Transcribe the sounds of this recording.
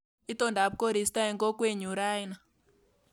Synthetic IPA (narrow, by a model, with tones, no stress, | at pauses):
i˦tɔ˦˨nda˨p̚ko˦ɾi˨sta˦ɛ˨ŋɡɔ˦kwe˦ɲu˨ɾa˦i˦na˨